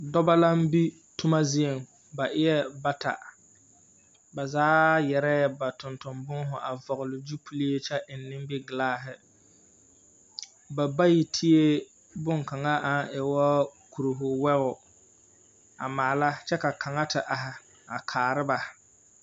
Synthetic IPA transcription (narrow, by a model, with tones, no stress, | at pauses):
dɔ˦ba˦la˦m̩˦bi˦ | tʊ˦ma˦zi˦e˨ŋ | ba˨ʔɪ˦jɛ˦ba˦tʰa̰˨ | ba˨zaː˦jɛ˨ɾɛ˦ba˨tʊ˨ntʊ˨mbʊ˦ŋ˦ɦʊ˨ʔa˨vɔ˨ɣʊ˨lɪ˨d͡ʒu˦pʰu˦li˦e˦t͡ʃɛ˦ʔɪ˨nːɪ̃˦m˦bɪ˦ɡɪ˨laː˦ɦɪ˨ | ba˨ba˦ji˨tʰi˦e˦ | bʊ˦ŋka˨ŋa˦ʔa˨˦nʔɪ˨wɔ˦ku˨ɾu˨ɦʊ˨wɛ˦ɣʊ˨ | a̰˨maː˨la˦t͡ʃɛ˦ka˨kʰa˨ŋa˦tɪ˨ʔa˨ɦɪ˨ | a˨kʰaː˨ɾɪ˦ba˨